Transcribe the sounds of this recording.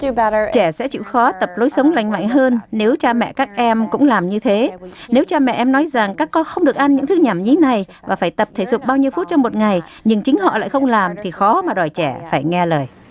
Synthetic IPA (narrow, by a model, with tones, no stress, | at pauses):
d̥ɨbɛɾət͡ɕɛ˧˩sɛ̰˧˥t͡ɕḭ˧˨wxɔ˨˦t̪ə˨˩p̚lo˨˦jsə˨˦wŋ͡mla̰˧˨jŋ̟ma̰˧˨ŋ̟ɦəː˧nne˨˦wt͡ɕaː˧mɛ̰˧˨kaː˦˥k̚ʔɛ˧mkʊ̰˧˥ŋ͡mlaː˨˩mɲɨ˧t̪ʰe˨˦ne˨˦wt͡ɕaː˧mɛ̰˧˨ʔɛ˧mnɔ˨˦jza˨˩ŋkaː˦˥kːɔ˧nxə˧wŋ͡mɗɨ˨˩ək̚ʔa˧nɲɨ̰˧˥ŋt̪ʰɨ˨˦ɲa˧˩mɲi˨˦na˨˩j | vaː˨˩faː˧˩jt̪ə˨˩p̚t̪ʰə˧˩zʊ˨˩k͡p̚ɓaː˧wɲi˧əfu˦˥t̚t͡ɕɔ˧wŋ͡mmo˨˩t̚ŋa˨˩j | ɲɨ˧ŋt͡ɕï˨˦ŋ̟ɦɔ̰˧˨la̰ː˧˨jxə˧wŋ͡mlaː˨˩mt̪ʰi˨˩xɔ˨˦maː˨˩ɗɔ˨˩jt͡ɕɛ˧˩faː˧˩jŋɛ˧ləː˨˩j